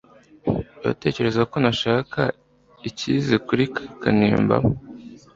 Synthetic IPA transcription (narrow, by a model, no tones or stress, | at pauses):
ja̰te̞ːce̞ɾe̞zako̞naʃaːka | icizikuɾikakaniːmba̰mo